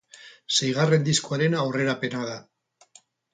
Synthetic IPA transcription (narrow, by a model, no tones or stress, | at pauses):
sejɣ̞are̞nd̪iskoaɾe̞nawre̞ɾape̞naða